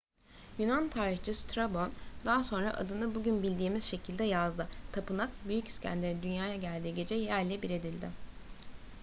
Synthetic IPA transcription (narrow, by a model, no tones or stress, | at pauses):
jynant̪ʰaːɾɯxt͡ʃʰɯst̪ʰɾabo̞nd̪aːso̞nɾa̰ʔa̰d̪ɯnɯbuɟynbilʲd̪iːmiz̥ʃe̞cʰilʲd̪ɛjazd̪ɯt̪ʰapɯnak̚byjyci̥scʰæ̰nd̪lʲeɾid̪ynjaːjaɟælʲd̪iːɟe̞d͡ʒɛjæɾlʲɛbiɾe̞d̪ilʲd̪ɪ